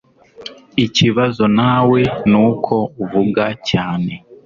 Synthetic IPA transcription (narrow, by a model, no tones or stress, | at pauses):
iciβazo̞nawe̞nuːkʰo̞uvuɡacaːne̞